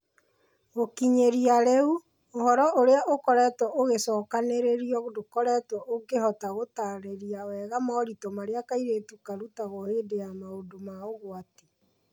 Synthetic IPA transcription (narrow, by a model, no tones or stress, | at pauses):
ɣokiɲeɾiaɾeu | ohɔɾɔʔoɾeaʔokɔɾɛtwɔʔoɣesɔːkaneɾeɾiɔɣodokɔɾɛtwɔʔoɡehɔtaɣotaɾeɾiawɛɣamɔɾitɔmaɾeakaiɾeːtukaɾutaɣoheːdeamaodomaoɣwate̥